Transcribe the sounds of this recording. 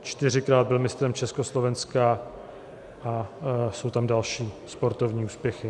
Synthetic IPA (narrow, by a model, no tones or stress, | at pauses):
t͡ʃt̪ɪr̝ɪkɾaːd̪̚bɪlmɪst̪ɾɛmt͡ʃɛskoslo̞vɛnska | ʔaso̞wt̪amdalʃiːspo̞ɾt̪ovɲiːuːspjɛxɪ